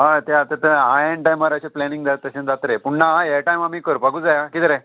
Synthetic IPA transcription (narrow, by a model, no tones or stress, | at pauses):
ɦat̪eat̪ət̪əajẽɳʈajmaɾaɕeplɛnĩŋɡd͡zat̪ːəɕẽnd͡zat̪ɾepuɳnajaʈajmamiːkəɾpaɡuːd͡zajakit̪ɾe